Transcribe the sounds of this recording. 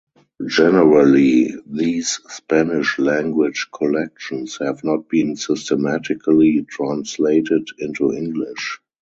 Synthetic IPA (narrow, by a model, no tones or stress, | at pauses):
d͡ʒɛnəɹəliðiːsspænɪʃlæ̃ŋɡwɪd͡ʒkʰɔlɛk̚ʃɔ̃nshɛvnɔt̚b̥ĩːnsɪstəmætɪkʰəlitʰɹãnsleɪtɪdɪ̃ntuɪ̃ŋɡlɪʃ